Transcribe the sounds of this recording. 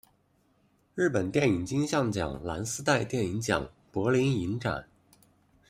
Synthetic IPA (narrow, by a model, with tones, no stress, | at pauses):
ɻ̩˥˩pə˨˩nt̪jɛ˥˩ni˨˩ŋt͡ɕi˥ŋɕjɑ˥˩ŋt͡ɕjɑ̰˨˩ŋla˧˥nsɹ̩˥t̪a˥˧ɪt̪jɛ˥˩ni˧˥ŋt͡ɕjɑ̰˨˩˦ŋ | pwɔ˧˥li˧˥ni˧˥nʈ͡ʂa̰˨˩˦n